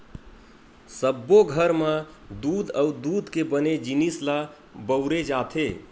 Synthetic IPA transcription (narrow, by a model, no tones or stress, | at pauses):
səbːoɡʱəɾmə | d̪ud̪əud̪ud̪kebəned͡ʒinisla | bəʊɾed͡ʒat̪ʰe